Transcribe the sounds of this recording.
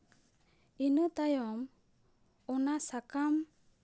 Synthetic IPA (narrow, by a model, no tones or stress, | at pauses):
inət̪ajɔm | ɔnasakam